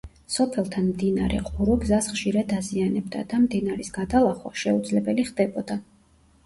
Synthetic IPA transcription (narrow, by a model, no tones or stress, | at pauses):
sɔpʰɛlˠt̪ʰanmd̪inaɾɛ̰qʼuɾɔɡzasχʃiɾad̪azianɛbd̪a̰d̪̥amd̪inaɾisɡ̥ad̪alˠaχwa̰ʃɛud̪zlɛbɛliχd̪ɛbɔd̪a